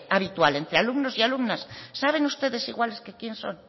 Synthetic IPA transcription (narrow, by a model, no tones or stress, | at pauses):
aβit̪walent̪ɾealumnosialumnasːaβ̞eŋust̪eðesiɣwaleskekjẽnso̰ŋ